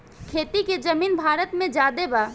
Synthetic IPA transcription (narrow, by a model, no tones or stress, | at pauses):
kʰeːt̪iked͡ʒəmiːnbʱaːɾət̪mẽd͡ʒaːd̪ebaː